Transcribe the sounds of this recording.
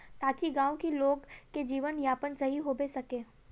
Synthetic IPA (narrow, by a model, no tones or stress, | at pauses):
t̪aːkiɡãːokiloːɡked͡ʒiːʋənjaːpənsɐɦiɦobesɐkeː